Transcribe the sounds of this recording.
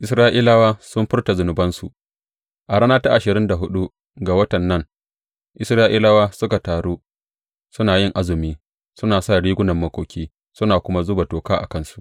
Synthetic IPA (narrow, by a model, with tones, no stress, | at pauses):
ʔɪ˨˦sɾaː˦ʔiː˦la˦waː˦sʊ˦mɸɪ˦rta˨zʊ˨nʊ˨bɐ˦nsu˨ʔ | ʔa˨ɽaː˦naː˦ta˦ʔa˨ʃɪ˨ɾɪ˦nda˨ɦʊ˦ɗu˦ | ɡa˨wɐ˦tɐ˨nːɐ˦˨ŋ | ʔɪ˨sɾaː˦ʔiː˦la˦waː˦sʊ˦ka˨taː˨ɽuː˦ | sʊ˦naː˨jɪ˦ŋʔa˦zʊ˨miː˦ | sʊ˦naː˨sa˦˨ɽiː˦ɡʷʊ˦nɐ˨mːɐ˦kʷoː˨kʲiː˦ | sʊ˦naː˨kʷʊ˦ma˦zʊ˦ba˨toː˨kaː˦ʔa̰˨kɐ˦nsu̥˨ʔ